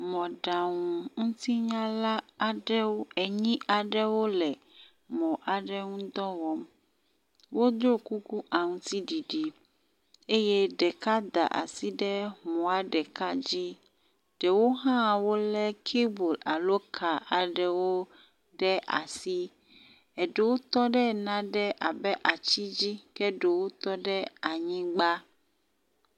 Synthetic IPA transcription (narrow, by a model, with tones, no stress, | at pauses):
mɔ̃˨ɖa˨ŋũ˨ŋũ˦t̪i˦ɲã˦la˦a˨ɖɛ˦wo˦ɛ˨ɲĩ˦ʔa˨ɖɛ˦wo˦lɛ˨ | mɔ̃˨ʔa˨ɖɛ˦ŋũ˦d̪ɔ˦wɔ˦m | wo˦d̪ɾo˦ku˦ku˦ʔa˨ŋũ˦t̪i˦ɖi˨ɖi˨ | e˦jɛ˦ɖɛ˨ka˦d̪a̰˨ʔa̰˨si˦ɖɛ˦mɔ̃˨a˨ɖɛ˨ka˦d͡ʑi˦ | ɖ̥ɛ˨wo˦ɦã˦wo˦lɛ˦kʰe˦bo˨la˨lo˦kʰa˨ʔa˨ɖɛ˨wo˦ | ɖɛ˦ʔa̰˨si˦ | ɛ˨ɖe˨wo˦t̪ɔ˦ɖɛ˦nã˦ɖɛ˦ʔa˨bɛ˦ʔa˨t͡ɕi˦d͡ʑi˦kɛ˦ɖe˨wo˦t̪ɔ˦ɖɛ˦a˨ɲĩ˦ɡ͡ba˦